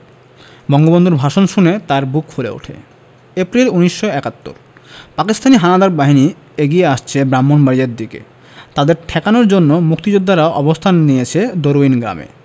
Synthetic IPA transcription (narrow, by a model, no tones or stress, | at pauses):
bɔŋɡobond̪ʱuɾbʱaʃonʃunet̪aɾbukfulḛṵʈʰḛ | epɾiluniʃːoɛkat̪ːo̰ɾ | pakist̪ʰaniɦanad̪aɾbaɦini | eɡieaʃt͡ɕʰebɾamːonbaɾiaɾd̪ikḛ | t̪ad̪eɾʈʰɛkanoɾd͡ʑonːomuk̚t̪id͡ʑod̪ʱːaɾaoʔɔbost̪ʰanːijet͡ɕʰed̪oɾoinɡɾa̰mḛ